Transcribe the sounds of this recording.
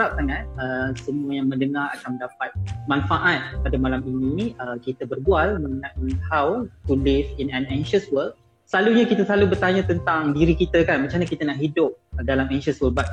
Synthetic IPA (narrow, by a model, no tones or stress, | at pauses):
ap̚saŋãn̚əsəmũəjaŋmə̃ndəŋaɾa̰kanmə̃ndapat̪̚manfaʔat̪̚padamalaminiəkit̪əbərbualmə̃ŋənãthawpulɪfinãnɛ̃ŋʃəswəl | səlaluɲakit̪əslalubərt̪aɲat̪ənt̪aŋdiɾikit̪əkanmat͡ʃaɲakit̪anaʔɦidʊp̚dalamɛ̃ŋʃəswəlbat̪̚